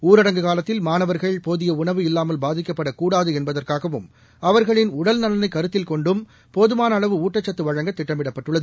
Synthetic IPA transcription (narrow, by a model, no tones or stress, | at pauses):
uːɾɐɽɐŋɡɯɣaːlɐt̪ːɪlmaːnɐʋɐɾɣɐɭɪpoːðɪjɐʊɳɐʋɯɪlːaːmɐlbaːðɪkːɐpːɐɽɐkuːɽaːðɯɛnbɐðɐrkaːɣɐʋɯm | ɐʋɐɾɣɐɭɪnʊɽɐlnɐlɐnɐɪkːɐɾɯt̪ːɪlkɔɳɖɯm | poːðɯmaːnɐɐɭɐʋɯuːʈːɐt͡ʃːɐt̪ːɯʋɐɻɐŋɡɐt̪ːɪʈːɐmɪɽɐpːɐʈːɯɭːɐðɯ